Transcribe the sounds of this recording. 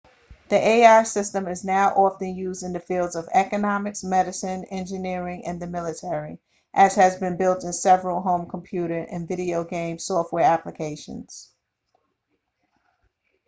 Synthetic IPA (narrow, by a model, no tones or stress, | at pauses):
ðiʔeɪɑɹsɪstə̃mɨznaʊʔɑfɨ̃njʉzdɨ̃nðɨfilˠdzʌvɛkɨnɑmɨksmɛɾɨsɨ̃nɛ̃nd͡ʒɨnɪɹɪ̃ŋɨ̃nðɨmɪlˠɨtʰɛɹi | ʔɨz̥ɨzbɨ̃nbɪlˠtɨ̃nsɛvɹl̩ˠɦõʊ̃mkʰm̩pʰj̥ʉɾə˞ʔɨ̃nvɪɾioʊɡẽɪ̃msɔft̚wɛɹæpləkʰeɪʃɨ̰̃nz̥